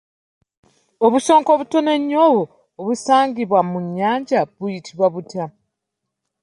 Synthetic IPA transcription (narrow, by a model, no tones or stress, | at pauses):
oβuso̞ːŋko̞βutone̞ɲːoβoː | βusaːŋɡiβwamuɲːaːɲɟaβujitʰiβwaβutja